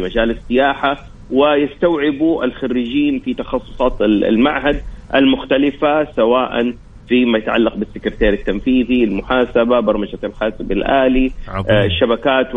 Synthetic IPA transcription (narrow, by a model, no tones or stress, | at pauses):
mad͡ʒaːlɪsːɪjaːħa | wɪjɪst̪awʕɪbuʔalxarːɪd͡ʒiːnfit̪ɑxɑsˤːʊ̥sˤɑːt̪ɪ̰lmaʕɦad̪̚ʔa̰lmʊxt̪alɪfasawaːʔa̰n | fimajat̪ʕa̰lːaq̚bɪsːɪkɾt̪eːɾɪt̪ːamfiːðilmʊħaːsababɑɾˤmad͡ʒat̪ɪlħaːsɪbɪlʔaːliʃːabakaːt̪